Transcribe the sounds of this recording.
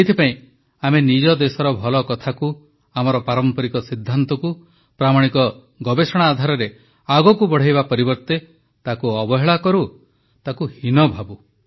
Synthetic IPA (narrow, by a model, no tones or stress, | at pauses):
et̪ʰipaĩ | amenid͡ʒɔd̪esɔɾɔbʱɔlɔkɔt̪ʰaku | amɔɾɔpaɾɔmpɔɾikɔsid̪ʱːant̪ɔku | pɾamaɽ̃ikɔ | ɡɔbesɔɽ̃aːd̪ʱaɾɔɾe | aɡɔkubɔɽ̤ajbapɔɾibɔɾt̪e | t̪akuɔbɔɦeɭakɔɾu | t̪akuhinɔbʱabu